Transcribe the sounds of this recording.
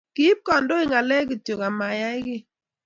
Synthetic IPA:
ki˦p̚kɔ˨ndo˦ɪ˦˨ŋa˨lɛ˦ki˨tjo˨ka˨ma˨ja˦ɪ˦ɡɪ˦

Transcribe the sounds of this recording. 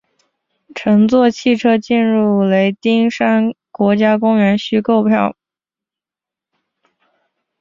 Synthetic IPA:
ʈ͡ʂʰɤ˧˥ŋt͡swɔ˥˧t͡ɕʰi˥˩ʈ͡ʂʰɤ˥t͡ɕi˥˧nɻu˥˩le˧˥ɪt̪i˥ŋʂa˥nkwɔ˧˥t͡ɕja˥kʊ˥ŋɥɛ˧˥nɕy˥ko˥˧ʊpʰjɑ˥˩ʊ

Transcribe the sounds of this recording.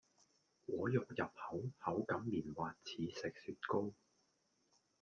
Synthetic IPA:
wɔː˨˧˥jʊ˨k̚jɐ˨p̚hɐ˨˥whɐ˨˥wkɐ˨˥mːiː˨˩nwaː˨t̚t͡sʰiː˨˧sɪ˨k̚syː˨t̚ko˥w

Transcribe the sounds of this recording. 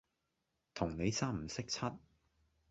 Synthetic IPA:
t̪ʰʊ˨˩ŋne˨˧jsaː˥m̩˨˩sɪ˥k̚t͡sʰɐ˥t̚

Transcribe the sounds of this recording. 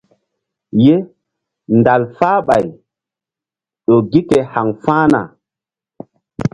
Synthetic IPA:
je˦ | nda˨lfaː˦ɓa˨j | ɗo˨ɡi˦ke˨ha˨ŋfa˦na̰˨

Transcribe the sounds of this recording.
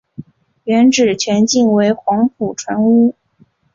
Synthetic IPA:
ɥɛ˧˥nʈ͡ʂɻ̩˨˩t͡ɕʰɥɛ˧˥nt͡ɕi˥˩ŋwe˧˥ɪxwɑ˧˥ŋpʰu˨˩ʈ͡ʂʰwa˧˥nu˥

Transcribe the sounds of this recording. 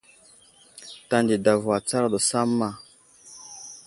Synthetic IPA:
ta˦ndi˨da˨vwa˨t͡sa˦ɾa˦˨do˨sa˦mːa˦

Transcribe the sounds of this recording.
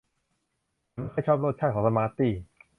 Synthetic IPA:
a˨˥nkʰɔː˥˩jt͡ɕʰɔː˥˩p̚ɾoː˥˩t̪̚ʰa˥˩t̪̚kʰɔ˩˦ŋs̬a˧maː˧t̪iː˥˩

